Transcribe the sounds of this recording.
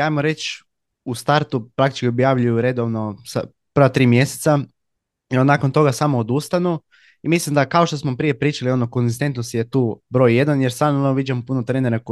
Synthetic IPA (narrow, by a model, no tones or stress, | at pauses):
aːjmoɾe̞t͡ʃ | ust̪aɾt̪upɾak̚t̪i̥t͡ʃkʲiobjaʋʎujuɾe̞d̪oʋno̞sa̰ | pər̩ʋat̪ɾiːmje̞se̥t̪sa | onaːkont̪o̞ɡasamood̪ust̪anu | imislimd̪akao̞ʃt̪osmopɾije̞pɾiːt͡ʃalio̞nokonzist̪e̞nt̪nost̪je̞t̪uːbɾo̞ːjːe̞d̪anjeɾsanonoʋid͡ʒamopunot̪ɾeːneɾak